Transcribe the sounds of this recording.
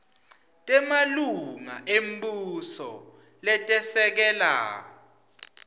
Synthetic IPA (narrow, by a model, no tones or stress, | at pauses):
tʼɛmaluŋa̰ʔem̩busɔ | lɛtʼɛsɛk̬ɛla̰ː